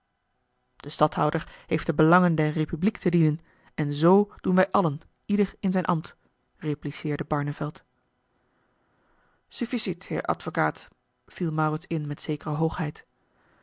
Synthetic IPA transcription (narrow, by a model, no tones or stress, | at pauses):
d̥əstɑthʌ̰wdəɹhejfdəbəlɑŋəndɛnrejpybliktʰədinən | ɛnzowd̥unʋɛjʔɑlən | idəɹɪnzɛjnʔɑmt | replisɪːɹdəbɑɹnəvɛlˠt | syfisithɪ̰ːɹʔɑ̰tfokaːt | filˠmɑwrɪtsɪnmɛtsejkərəɦowχɦɛjt